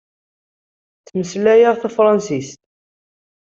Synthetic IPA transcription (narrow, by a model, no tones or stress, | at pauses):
t͡sːməslæjəʁθæfɾˤɑnsist̪